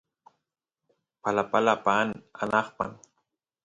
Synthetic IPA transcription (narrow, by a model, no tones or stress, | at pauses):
palapalapana̰nɑχpa̰n